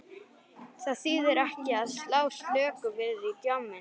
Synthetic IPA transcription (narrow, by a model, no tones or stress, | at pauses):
θaðθiːðɪɾɛhcɪaðslaːwslœːkʏvɪðit̪jawmːɪn